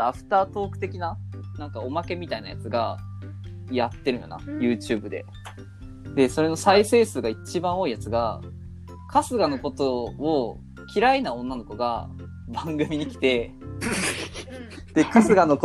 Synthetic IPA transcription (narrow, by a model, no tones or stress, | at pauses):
aɸɯ̟̥t̪aːt̪o̞ːkɯ̟t̪e̞kʲinanãŋkao̞make̞mʲit̪aina̰ja̰t͡sɨɡa | jat̪ːe̞ɾɯ̟jo̰na̰jɯ̟ːt͡ɕɨːbɯ̟d̪e̞̰ | d̪e̞so̞ɾe̞no̞saise̞ːsɨɡait͡ɕibãɰ̃o̞ːijat͡sɨɡa̰ | kʰasɨɡano̞ko̞t̪o̞o | kʲiɾainaõ̞nːano̞ko̞ɡa̰ | bãŋɡɯ̟mʲiɲ̟ikʲi̥t̪e̞ | d̪̥e̞kasɨɡano̞ko